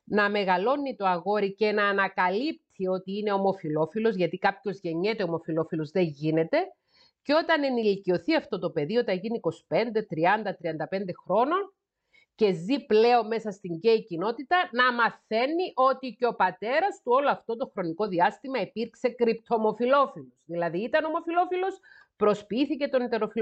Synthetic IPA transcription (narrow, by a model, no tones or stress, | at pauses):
nɐme̞ɣɐlo̞nːit̪o̞ɐɣo̞ɾice̞nɐːnɐkɐlip̚t̪ʰio̞t̪iine̞o̞mo̞filo̞filo̞zʝɐt̪ikɐpço̞zʝe̞ɲːe̞t̪e̞o̞mo̞filo̞filo̞zðe̞ɲʝine̞t̪e̞ | ceo̞t̪ɐne̞nilicio̞θiɐft̪o̞t̪o̞pe̞ðio̞t̪ɐʝiniko̞si̥pe̞nd̪e̞t̪ɾiɐnd̪ɐt̪ɾiɐnd̪ɐpe̞nd̪e̞xɾo̞no̞n | ce̞ziple̞o̞mme̞sɐst̪iɲɟe̞icino̞t̪it̪ɐnɐmɐθe̞nːiʔo̞t̪iceo̞pɐt̪e̞ɾɐst̪uo̞loɐft̪o̞t̪o̞xɾo̞niko̞ðiɐst̪imɐipiɾkse̞kɾipt̪ʰo̞mo̞filo̞filosðilɐðiːt̪ɐno̞mo̞filo̞filo̞s | pɾo̞spiiθice̞t̪o̞nit̪e̞ɾo̞filo